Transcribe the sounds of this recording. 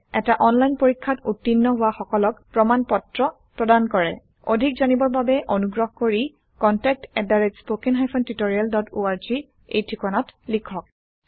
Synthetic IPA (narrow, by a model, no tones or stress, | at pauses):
ɛtaʔɔnlajnpoɹikʰːatutːinːɔɦʊaxɔkɔlɔkpɹɔmanpɔtɹɔ | pɹɔdankɔɹɛ | odʱikzanibɔɹbabɛʔonuɡɹɔɦkoɹi | kɔntɛk̚tɛdaɹed͡ʒspokinɦajpʰɔntitoɹialdɔtoaɹzi | ḛjtʰikɔnɔtlikʰɔk̚